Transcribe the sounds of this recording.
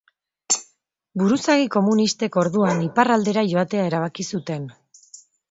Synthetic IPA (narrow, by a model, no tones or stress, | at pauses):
buɾusaɣiko̞munist̪e̞ko̞ɾðuaniparald̪e̞ɾaʝo̞at̪e̞ae̞ɾaβ̞akisut̪e̞n